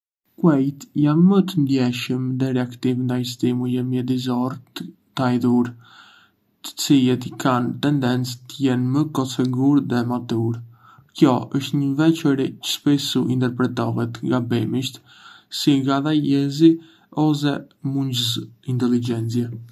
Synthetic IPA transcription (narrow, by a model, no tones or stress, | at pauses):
kwɛjt̪janːət̪ənd̪jɛʃəmd̪ɛɾɛakt̪ivnd̪ajst̪imujəmjɛd̪izɔɾt̪t̪ajðuɾ | t̪ə̥t͡silɛt̪ikʰant̪ɛnd̪ɛnt͡st̪əjɛnməkɔsɛɡuɾðɛmat̪uɾ | kjɔəʃt̪ɲəvɛt͡ʃəɾit͡ʃə̥ʃpɛsuʔint̪ɛɾpɾɛt̪ɔɦɛt̪ŋɡabɛmiʃt̪ | siɡaðajɛzi | ɔs̬ɛ | muɲd͡ʑəsint̪ɛlid͡ʒɛnt͡siɛ